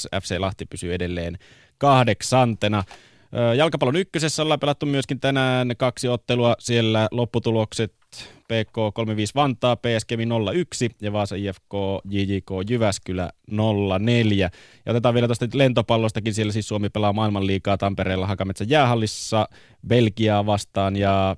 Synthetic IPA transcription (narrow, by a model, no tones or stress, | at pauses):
æ̰fseːlɑht̪ipysyedelːeːn | kɑhdeksɑnt̪enɑ | əːjɑlkɑpɑlonykːøsesːæolːɑːpelɑt̪ːumyøskint̪ænæːnkɑksiot̪ːeluɑsielːælopːut̪ulokset̪peːkoːkolmeʋiːsʋɑnt̪ˑɑːpeːæskeminolːɑyksijɑʋɑːsɑiːefkoːjiːjiːkoːjyʋæskylæ̰nolːɑneljæjɑot̪et̪ɑːʋielæt̪ost̪ɑlent̪opɑlːost̪ɑkinsielːæsiːssuomipelɑːmɑilmɑlliːkɑːt̪ɑmpeɾeːlːɑɦɑkɑmet̪sæjjæːɦɑlːisːɑ | belkiɑːʋɑst̪ɑːnjɑ